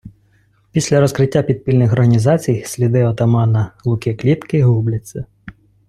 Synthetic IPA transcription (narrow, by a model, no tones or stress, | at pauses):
pʲisʲlʲɐɾɔskɾɪtʲːapʲid̪̚pʲilʲnɪxɔrɦɐnʲizɑt͡sʲijsʲlʲid̪ɪɔt̪ɐmɑnɐlˠukʲɛklʲit̪kɪɦublʲɪsʲɛ